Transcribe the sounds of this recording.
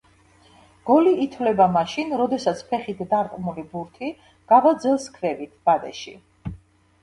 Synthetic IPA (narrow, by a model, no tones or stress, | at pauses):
ɡ̥ɔliːt̪ʰvlɛbamaʃinɾɔd̪ɛsat̪sʰpʰɛχit̪ʰd̪aɾt̪ʼmulibuɾt̪ʰi | ɡ̥avad̪zɛlˠskʰvɛvit̪ʰb̥ad̪ɛ̰ʃḭ